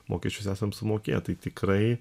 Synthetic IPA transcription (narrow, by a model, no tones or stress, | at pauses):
mo̰ːkʲɛsʲt͡ʃʲʊsæːsɐmsʊmoːkʲḛːt̪ɐɪt̪ʲɪkɾɐɪ